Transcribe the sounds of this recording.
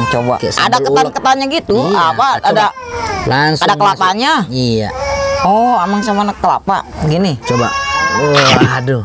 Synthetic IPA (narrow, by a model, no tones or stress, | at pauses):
t͡ʃoba̰a̰dakəankət̪anɲaɡit̪uapaadalaŋsadaŋkəlapaɲaia̰ɔamaŋsamanakəla̰pa̰ʔɡinit͡ʃoba̰ | adu